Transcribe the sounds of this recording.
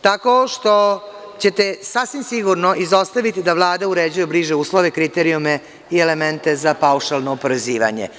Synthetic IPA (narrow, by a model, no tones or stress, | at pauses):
t̪ako̞ʃt̪o̞ | t͡ɕe̞t̪e̞sasʋimsiɡuɾno̞ʔizost̪aʋit̪id̪aʋlˠaːd̪auɾed͡ʑujebliːʒeuːslˠoʋe̞kɾit̪eɾiume | ielement̪e̞zapauʃalˠnoːpoɾeziːʋa̰ɲḛ